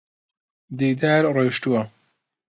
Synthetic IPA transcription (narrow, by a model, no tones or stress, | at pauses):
d̪iːd̪aːɾreːʃtuwɐ